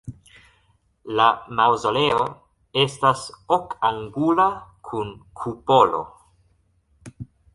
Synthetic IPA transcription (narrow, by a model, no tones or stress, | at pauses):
lamawzo̞leo | e̞stasokaŋɡulakʰunkʰupo̞lo̞̰